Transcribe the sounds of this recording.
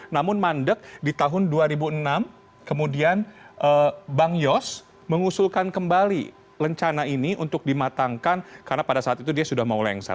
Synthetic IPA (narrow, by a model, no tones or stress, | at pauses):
namʊnmandək̚dit̪aɦʊnduaɾibuənam | kəmudianʔəbaŋjɔs | məŋusʊlkankəmbalḭ | ləɲt͡ʃanainiʔunt̪ʊk̚dimat̪aŋkankaɾənapadasaːt̪̚it̪udiasudahmaulɛŋsa̰